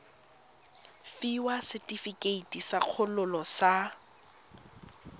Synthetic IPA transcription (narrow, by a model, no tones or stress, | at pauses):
fiwasɪtʼifikʼeitisaq͡χʰʊlʊlɔsa